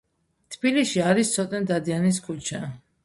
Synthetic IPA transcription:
t̪ʰbiliʃiaɾist̪sʰɔt̪ʼɛnd̪ad̪ianis̬kʰut͡ʃʰa

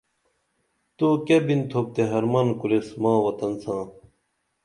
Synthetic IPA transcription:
t̪uːkebint̪ʰoːp̚t̪eɦɐɾmɐnkuɾesmãːwɐt̪ɐnsãː

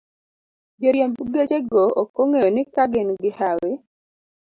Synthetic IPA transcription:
beɾjembuɡet͡ʃeɡookːoŋejonɪkaɡenɡɪhawe

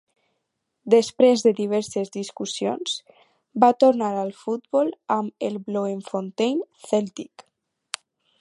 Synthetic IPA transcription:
d̪espɾezðeðiβ̞ɛɾsezðiskusijo̰ns | bat̪oɾnaɾalˠfut̪bɔlamelbloeɱfont̪ejn | θɛlt̪ik

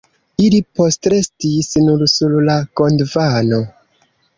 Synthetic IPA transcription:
ilipo̞stɾe̞stisnuɾsullako̞ndvano

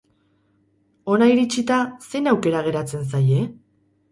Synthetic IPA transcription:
o̞naiɾit͡ʃit̪ase̞nawke̞ɾaɣ̞e̞ɾat͡se̞ns̬aje̞

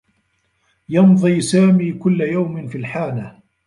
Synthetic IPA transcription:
jɑnðˤiːsaːmiːkʊlːajawmɪnfilħaːna

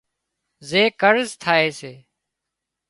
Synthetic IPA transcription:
zeːkəɾzt̪ʰaːeːseː

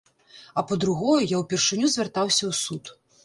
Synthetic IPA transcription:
ɐpɐd̪ɾuɣɔjujawpʲɛrʂɨnʲuzʲvʲɛrt̪awsʲɐwsut̪

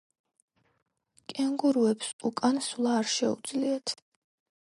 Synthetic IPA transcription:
kʼɛŋɡuɾuɛpsukʼanslˠaːɾʃɛṵd̪zliat̪ʰ

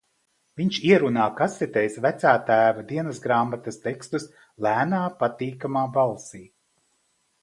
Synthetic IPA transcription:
viɲt͡ʃiɛɾunaːkasɛt̪ɛjsvæt̪saːt̪æːvad̪iɛnɐsɡɾaːmat̪ɐst̪ekst̪us | læːnaːpat̪iːkamaːbalˠsiː

